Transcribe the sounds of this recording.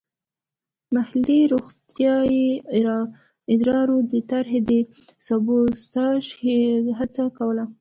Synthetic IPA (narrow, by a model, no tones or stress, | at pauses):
mahliɾoɣt̪jɑjiɾ | ɪd̪ɾɑɾod̪ət̪aɾɦed̪əsabost̪ɑʃɦat͡sakawəla